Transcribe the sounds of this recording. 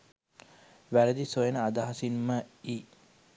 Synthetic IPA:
ʋæləd̪isojenəad̪aɦɐsinːəiː

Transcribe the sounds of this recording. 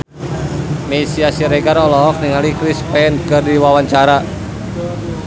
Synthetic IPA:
mesiasiɾɛɡaɾɔlɔɦɔk̚niŋalikɾispɛnkɨrdiwawaɲt͡ʃaɾa

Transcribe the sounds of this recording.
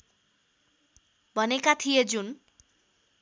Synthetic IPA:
bʱʌnekat̪ʰijed͡zun

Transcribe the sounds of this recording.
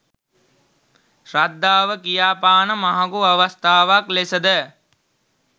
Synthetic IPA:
ʃrad̪ːaːʋəkijaːpaːnəmaɦaɡuaʋəst̪aːʋaklesəd̪ə

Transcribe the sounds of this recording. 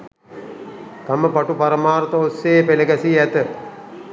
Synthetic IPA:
t̪aməpaʈupaɾəmaːɾt̪əosːeːpeləɡæsiæt̪ə

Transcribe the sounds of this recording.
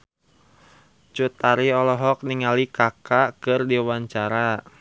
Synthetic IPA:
t͡ʃut̪aɾiɔlɔɦɔk̚niŋalikakakɨrdiwaɲt͡ʃaɾa

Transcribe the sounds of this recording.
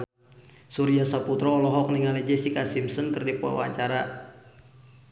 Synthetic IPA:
suɾiasaput̪ɾɔːlɔɦɔk̚niŋalɛd͡ʒɛsikasimsɔnkɨrdipua̰wa̰ɲt͡ʃaɾa

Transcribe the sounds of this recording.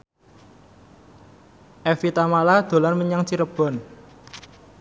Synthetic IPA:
ʔɛfit̪amalad̪̥o̤larməɲaŋt͡ʃiɾəb̥ɔ̤n

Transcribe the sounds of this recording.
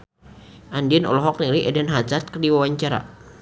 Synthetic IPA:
ʔandiɛnɔ̰lɔɦɔk̚niliʔɛdɛnɦat͡ʃart̪̚kərdiwawaɲt͡ʃaɾa̰

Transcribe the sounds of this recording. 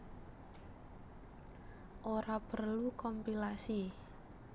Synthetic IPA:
ʔoɾapərlukɔmpilasi

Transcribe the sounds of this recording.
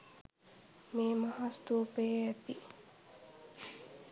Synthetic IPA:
meːmaɦast̪uːpeæt̪i

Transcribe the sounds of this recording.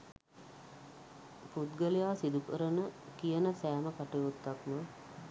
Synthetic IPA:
put̪̚ɡəlijaːsid̪ukəɾənəkijənəsæːməkaʈejut̪ːakmə

